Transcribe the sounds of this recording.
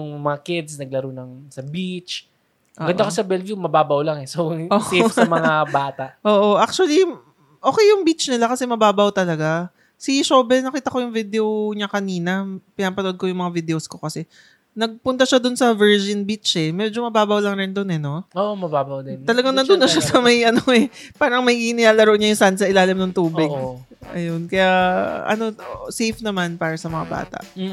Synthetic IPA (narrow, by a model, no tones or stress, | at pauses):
jʊŋmɐŋakɪd̪snɐɡ̚lɐɾunɐŋsɐbit͡ʃ | ʔoːɡɐnd̪ɐkosɐbɛlvjumɐbaːbɐwlaŋɛsoʔoːɐmɐŋabaːt̪aʔʔoːʔo̞ʔak̚t͡ʃuɐli | ʔo̞ːkɛjːʊŋbit͡ʃnɪlakɐsɛmɐbaːbawt̪ɐlɐɡa | siʃoːbɛnɐkiːt̪ɐko̞jʊŋvid̪ɛoɲakɐniːnɐpɪnapɐnoʔod̪̚ko̞jʊŋmɐŋavɪd̪ɛosko̞kɐsɛ | nɐɡ̚pʊnt̪ɐʃad̪onsɐvɛɹd͡ʒɪnbit͡ʃɛmɛd͡ʒo̞mɐbaːbɐwlɐŋɾɛnd̪onɛno̞oʔmɐbabɐwd̪ɪnt̪ɐlɐɡaŋnɐnd̪ʊnːɐʃasɐmɐjʔɐnoɛpaːɾɐŋmɐjinɪlaːlɐɾo̞ʔɲajʊŋsansɐʔɪlaːlɪmnoŋt̪uːbɪɡ̚ | ʔɐ̰jonkɐjaʔɐ̰no̞osejfnɐmanpaːɾɐsɐmɐŋa̰ba̰ːt̪ɐ̰ʔ